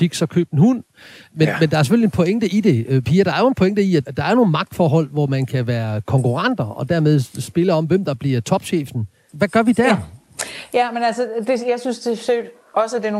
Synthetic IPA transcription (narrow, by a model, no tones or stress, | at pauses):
iɡ̥sɒkʰø̰ːb̥n̩hun̰ | menmend̥ɑ̈æɐse̥følienpʰɔ̽eŋd̥əʔid̥e̝pʰiːɐɾ̥ɑ̈æɐjʊoen̩pʰo̽eŋd̥əiæd̥ɑ̈æɐno̝ːn̩mɑ̈ɡ̥̚d̥fɒ̰ːɦɒ̽l̰ʋɒmænkʰæʋæːɐkʰɒ̽ŋkuʁɑn̰d̥ɐɒ̽d̥æɐmeð̞ˠsb̥e̝ləɒ̽mʋemd̥ɑ̈b̥liɐt͡sʰɒ̽b̥ɕḛːfn̩ | ʋæɡ̥ɶɐʋid̥æɐ̰ | jæmenælsəd̥e̝jäɪsynsd̥e̝sød̥ | ʔɒ̽səd̥eno